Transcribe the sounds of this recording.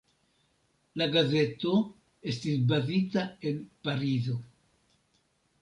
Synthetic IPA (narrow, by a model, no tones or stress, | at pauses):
laɡaze̞to̞ | e̞stisbazitae̞npaɾizo̞